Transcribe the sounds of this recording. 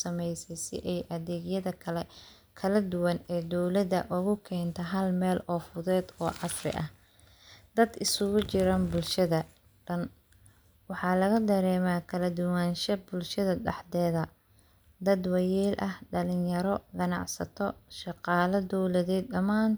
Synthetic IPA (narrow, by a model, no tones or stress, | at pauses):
sɐmɛjsɛsɪ̰ʔɛjʔɐðɛːɡjɐðɐɛ | kʰɐlɐd̪ʊwɐnɛːd̪ɔwlɐðɐʔʊɣʊkʰɛːnt̪ʰɐɦɐlmɛːlɔːfʊðɛːd̪ɔ̰ːʕɑsrɪ̰ʔɐ̰h | d̪̥ɐd̪ɪsʊɣʊt͡ʃɪɾanbʊlʃɐðɐ | ɖɐn | wɑħɑːlɐɣɐd̪ɐɾɛːmaːkʰɐlɐd̪ʊwanʃɐbʊlʃɐðɐɖɑħd̪ɛːðɐ | d̪ɐd̪wɑjɛːlʔɐhɖɐlɪjɐɾɔɡɐnɑ̰ʕsɐ̰t̪ʰɔʃɑqɑːlɐd̪ɔwlɐðɛːd̪ːɐmaːn